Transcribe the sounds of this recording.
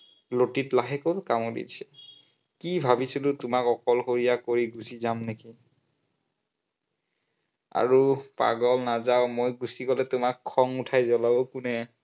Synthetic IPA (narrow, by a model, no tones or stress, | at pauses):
lotitlaɦɛkolkamodḭdisɛ̥ | kibʱabisilʊtʊmakɔkɔlxoɹijakoɹiɡusizamneki | a̰ɹupa̰ɡɔlnazaʊmojɡusikɔlɛtʊmakʰːɔŋutʰajzɔlɔbɔkunɛ